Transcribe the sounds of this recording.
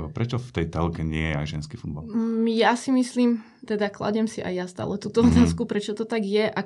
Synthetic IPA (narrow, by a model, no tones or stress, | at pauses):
pɾɛt͡ʃɔft̪ɛjt̪ɛlkɛɲɪɛjɛa̰ɡʒɛnskifud̪̚baljasimisliːm | t̪ɛd̪akla̰ɟɛmsiʔa̰jast̪a̰ːlɛt̪uːt̪ɔɔt̪aːskupɾɛt͡ʃɔt̪ɔt̪aɡjɛʔa